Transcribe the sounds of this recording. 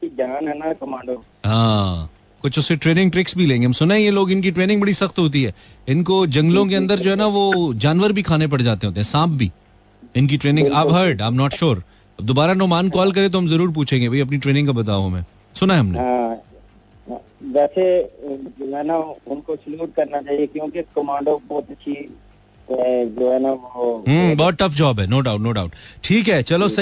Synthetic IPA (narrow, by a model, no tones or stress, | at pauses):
id͡ʒaːnɛːnakɐmãːɳɖo | ɦãː | kʊt͡ʃʰʊsːeʈɾeːnɪ̃ŋʈɾɪksbʱilẽːŋɡeɦmsʊnaɦɛ̃jeloːɡɪnk̬iʈɾeːnɪ̃ŋɡbɐɽisɐxt̪ɦoːt̪̬iɦɛːɪnkod͡ʒɐ̃ŋɡlõk̬eɐ̃nd̪əɾd͡ʒoːɦɛnaʋod͡ʒaːnʋəɾbʱikʰaːnep̬ɐɽd͡ʒaːt̪eɦoːt̪eɦsãːp̚ʰbʱḭː | ɪnk̬iʈɾeːnɪ̃ŋɡabɦɐɾɖãːɪmnɔːʈʃoːɾ | ɐb̚d̪oːbaːɾanɔːmaːnkɔːlk̬ɐɾẽt̪oɦɐmzɐɾuːɾp̬uːt͡ʃʰẽːŋɡebʱaiɐp̬niʈɾeːnɪ̃ŋɡkabɐt̪̬aːɦomɛ̃ː | sʊnaɦɛɦɐmnḛɦã | ʋɛːsed͡ʒoːɦɛnaʊnkosluːʈ̚kɐɾnat͡ʃaːɦiekjõːkekɐmãːɳɖobɔːt̪ɐtːʃʰi | ɛd͡ʒoːɦɛːnaʋoɦəbɔɦɔt̪̚ʈːɐfd͡ʒɔːbɦɛnoːɖaʊʈnoːɖaːʊʈʈʰiːkɦɛːt͡ʃɐlos